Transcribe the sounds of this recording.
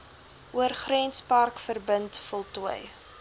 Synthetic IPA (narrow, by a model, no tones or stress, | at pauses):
ʔuərχrɛnspɐrkfərbəntfɔlˠtuəj